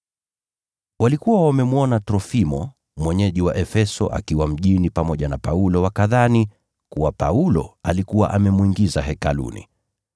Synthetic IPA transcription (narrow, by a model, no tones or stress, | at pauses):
walikuwawamɛmuɔnatɾɔfimɔ | mwɛɲɛʄiwaʔɛfɛsɔ̰ʔa̰kiwam̩ʄinipamɔʄanapaulɔwakaðani | kuwapa̰ulɔ̰alikuwa̰ʔamɛmuiŋɡizaɦɛkalṵnḭ